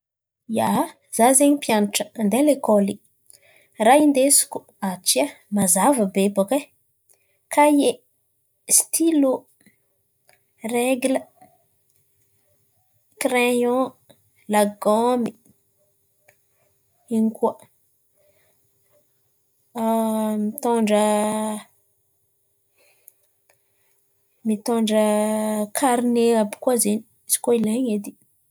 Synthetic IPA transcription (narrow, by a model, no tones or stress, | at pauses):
ja | zazeɲipjanʈ͡ʂənd̪elekoli | raind̪esi̥ku̥ | at͡ʃiamazavəbebake | kʰaje | st̪ʰilu | reɡlə | krejɔ̃ | laɡɔmi | iŋkuə | mit̪oɳɖ͡ʐə | mit̪oɳɖ͡ʐəkʰaɾneabi̥kazeni̥ | si̥koilaɲed̪i